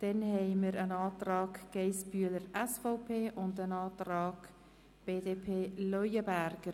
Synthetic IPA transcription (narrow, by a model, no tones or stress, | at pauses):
d̥ɛnhɛɪməɾənɑːtrɑːkɡ̥eɪspyələɾɛsfɔʊpʰeːʔʊndənɑːtɾɑːɡ | b̥eːdeːpʰeːlœjəbæɾɡ̥əɾ